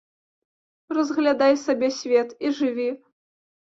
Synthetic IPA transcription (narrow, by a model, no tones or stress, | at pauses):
rɐzɣlʲad̪ajsabʲɛsʲvʲɛt̪iʐɨvʲi